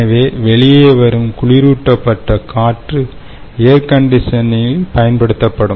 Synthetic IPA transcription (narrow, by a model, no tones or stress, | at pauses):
ɐʋeːʋɛɭɪjeːʋɐɾɯmkʊɭɪɾuːʈːɐpːɐʈːɐkʰaːʈrɯ | ejɐɾkɐɳɖɪʂɐnɪlpɐjɐnpɐɽɯt̪ːɐpːɐɽɯ